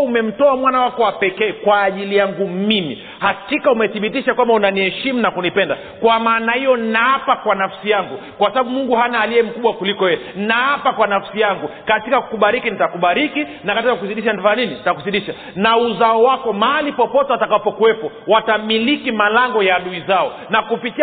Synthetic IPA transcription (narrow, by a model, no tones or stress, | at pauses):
umɛm̩tɔamwanawakɔwapɛkɛːkwaːʄilijaŋɡumimḭ | hatikaumɛθiɓitiʃakwambaunaniɛʃimunakunipɛnda | kwamaːnahijɔnaapakwanafsijaŋɡukwasaɓaɓumuŋɡuɦanaːliɛm̩kuɓwakulikɔjɛɛnaapakwanafsijaŋɡukatikaku̥kuɓaɾikinitakuɓaɾikinakatikakusiɗiʃanvaaninintakusiɗiʃa | nauzaɔwakɔmaalipɔpɔtɛwatakapɔkuwɛpɔ | watamilikimalaŋɡɔjaːɗuizaɔ | nakupiti